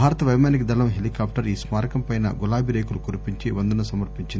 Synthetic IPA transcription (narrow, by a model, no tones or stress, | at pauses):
aːɾɐt̪ɐʋɐjmaːnik̬id̪ɐlɐmɦelikaːp̚ʈɐɾiːsmaːɾɐkɐmpɐjnɐ̰ɡulaːbʱiɾeːkulukuɾipiɲt͡ʃiʋɐnd̪unɐsɐmɐɾpiɲt͡ʃind̪